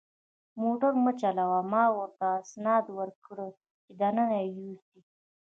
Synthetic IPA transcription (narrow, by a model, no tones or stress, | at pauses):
moʈaɾmət͡ʃalawamɑwəɾt̪aːsnɑd̪wəɾkɽə | t͡ʃɪd̪ananajust̪i